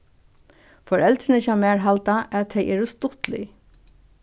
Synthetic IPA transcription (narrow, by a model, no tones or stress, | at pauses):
fɔɹɛlt̪ɾɪnɪçamɛːɹɦalt̪aʔɛt̪ʰɛjʔɛːɹʊst̪ʊt̪lɪ̰